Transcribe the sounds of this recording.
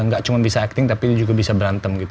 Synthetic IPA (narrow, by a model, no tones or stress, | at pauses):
ŋɡaʔt͡ʃumanbisaɛk̚t̪ɪŋt̪apidd͡ʒuɡabisabəɾant̪əmɡit̪